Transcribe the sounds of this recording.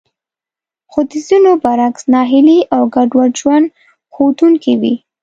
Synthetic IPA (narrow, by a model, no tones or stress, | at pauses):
xot̪izunobaɾaksnɑɦɪliʔawɡaɖwaɽʒwan | xot̪uŋkiwḭ